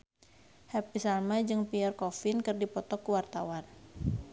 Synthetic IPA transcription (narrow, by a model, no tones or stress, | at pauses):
hɛpisalmad͡ʒɨŋpiɛrkɔfɪnkɨrdipɔt̪ɔkuwart̪awan